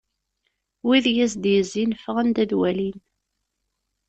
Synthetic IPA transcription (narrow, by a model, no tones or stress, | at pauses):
wiðjæsd̪jəzːinfəʁənd̪æðwælin